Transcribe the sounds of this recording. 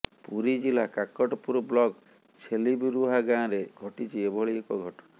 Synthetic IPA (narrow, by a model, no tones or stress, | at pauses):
puɾid͡ʒilakakɔʈɔpuɾɔblɔɡ | t͡ʃʰelibiɾuɦaɡãɾeɡʱɔʈit͡ʃʰiebʱɔɭiekɔɡʱɔʈɔna